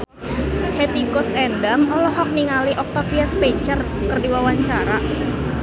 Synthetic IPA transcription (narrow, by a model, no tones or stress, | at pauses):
het̪ikɔsɛndamɔlɔɦɔk̚niŋaliʔɔk̚t̪afiaspɛɲt͡ʃərkərdiwawaɲt͡ʃaɾa